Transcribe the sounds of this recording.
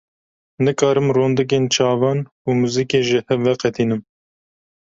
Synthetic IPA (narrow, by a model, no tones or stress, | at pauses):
nɨkɑːɾɨmroːnd̪ɨk̬eːnt͡ʃʰɑːvɑːn | umuzikeːʒɪhɛvːɛqɛt̪ʰiːnɨm